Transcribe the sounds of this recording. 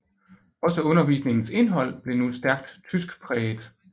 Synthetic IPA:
ɒ̽səɔ̽nɐʋḭːsne̝ŋn̩se̝nɦɒ̽l̰b̥le̝nu̥sd̥æɐɡ̥̚d̥t͡sʰysɡ̥pʰʁɛːd̥ˠ

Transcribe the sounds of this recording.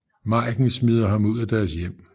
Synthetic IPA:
mɑ̈ːɡ̥n̩smið̞ˠɐɦɑ̈muð̞̰ˠæd̥æɐsjem̰

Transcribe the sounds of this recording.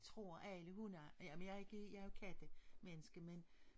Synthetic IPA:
t͡sʰʁo̝ɐ̰ʔæləɦunæjæmnjɑ̈e̝ɡ̥əjɑæɐo̝kʰæd̥əmenəsɡ̥əmen

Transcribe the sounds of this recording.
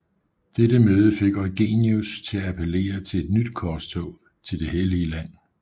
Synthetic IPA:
d̥edəmøːð̞ˠəfe̝ɡ̥ɒ̽ɪɡ̥e̝ːniust͡sʰe̝ææpʰəle̝̰ːɐt͡sʰe̝le̝d̥nyd̥kʰɒst͡sʰɔʊ | t͡sʰe̝ld̥e̝heliəlæn̰

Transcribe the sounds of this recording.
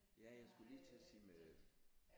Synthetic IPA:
jæjɑɪsɡ̥uliːt͡sʰe̝siːmeð

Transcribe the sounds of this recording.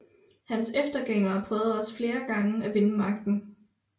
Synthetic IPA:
hænsefd̥ɐɡ̥eŋ̰ɐːpʰʁœːʊð̩ˠɒ̽sfle̝ːɐɡ̥ɑ̈ŋəæʋe̝nəmɑ̈ɡ̥̚d̥n̩

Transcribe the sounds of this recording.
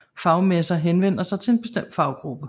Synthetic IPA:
fɑ̈ʊmesɐɦenʋen̰ɐsɑ̈ɪt͡sʰe̝e̝nb̥e̝sd̥em̰d̥fɑ̈ʊɡ̥ʁub̥ə

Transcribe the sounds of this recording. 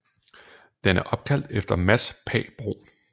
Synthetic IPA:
d̥enæɐʔɒ̽b̥̚kʰæl̰d̥efd̥ɐmæspʰɛ̰ːb̥ʁo̝̰ː

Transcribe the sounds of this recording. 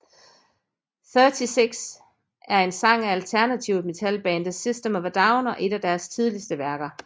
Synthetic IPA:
θœt͡sʰiseɡ̥s | ʔæɐe̝nsɑ̈ŋ̰æælt͡sʰæɐnæt͡sʰiʊme̝t͡sʰælb̥ɛ̰ːnd̥əsisd̥əmɒʋd̥ɑ̈ʊnɒ̽ʔe̝d̥æd̥æɐst͡sʰið̞ˠlisd̥əʋæɐɡ̥ɐ

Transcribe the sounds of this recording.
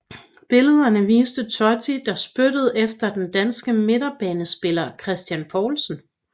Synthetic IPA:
b̥e̝ləð̞ˠɐnəʋiːsd̥ət͡sʰɒt͡sʰid̥ɑ̈sb̥ødəð̞ˠefd̥ɐd̥end̥ænsɡ̥əme̝d̥ɐb̥ɛːnəsb̥e̝lɐkʰʁɛsd̥jænpʰɒːlsn̩

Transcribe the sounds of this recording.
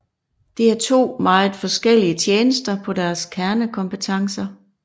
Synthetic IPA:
d̥eæɐt͡sʰo̝̰ːmɑ̈ːð̩ˠfɒ̽sɡ̥el̰iət͡st͡ɕʰjeːnəsd̥ɐpʰɒ̽dæɐskʰæɐnəkʰɒ̽mpət͡sʰɑ̈ŋsɐ

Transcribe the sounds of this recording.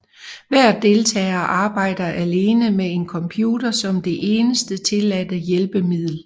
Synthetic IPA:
ʋæɐ̰d̥e̝lt͡sʰɛ̰ːɐʔɑ̈ːb̥ɑ̈ɪ̰d̥ɐʔæle̝ːnəmee̝nkʰɒ̽mpʰjuːd̥ɐsɒ̽md̥e̝ʔe̝ːnəsd̥ət͡sʰe̝læd̥əjelb̥əmið̞̰ˠl̩

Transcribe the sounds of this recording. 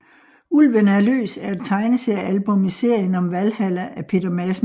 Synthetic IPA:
ulʋənæɐlø̰ːsæɐæd̥̚t͡sʰɑ̈ɪnəseælb̥ɔ̽mise̝ɐ̰jənɒ̽mʋælhæl̰ɐʔæpʰe̝d̥ɐmæsn

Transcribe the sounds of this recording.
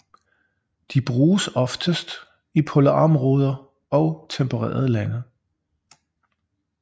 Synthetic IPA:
d̥ib̥ʁuːsɒ̽fd̥əsd̥ | ipʰo̝ləɑ̈mʁoːð̞ˠɐ | ɒ̽ʊt͡sʰempʰəʁḛːɐð̞ˠəlænə

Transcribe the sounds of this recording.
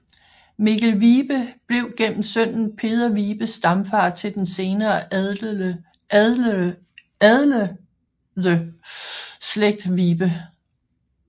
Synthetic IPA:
miɡælʋiːb̥əb̥le̝ʊɡ̥en̰m̩sœn̰n̩pʰe̝ːðˠɐʋiːb̥əsːd̥ɑ̈mfɑ̰̈ːt͡sʰe̝ld̥ense̝ːnɐː | ðˠl | ðə | sleɡ̥̚d̥ʋiːb̥ə

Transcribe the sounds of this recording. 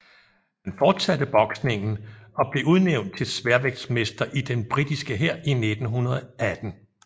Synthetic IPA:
hænfɒːd̥sæd̥əb̥ɒ̽ɡ̥sne̝ŋn̩ɒ̽b̥le̝ʔuð̞ˠneʊnd̥̚t͡sʰe̝lsʋæɐʋeɡ̥̚sme̝sd̥ɐʔid̥enb̥ʁid̥isɡ̥əɦeɐ̰ʔined̥n̩ɦunɐð̞ˠæd̥n̩

